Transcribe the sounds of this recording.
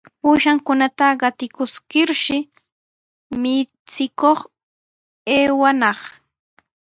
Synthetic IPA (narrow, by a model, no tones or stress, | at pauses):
puːʃaŋkʊnat̪aɢɑt̪ɪkʊskɪɾʃɪ | mɪ | t͡sɪkoχ | eːwanɑχ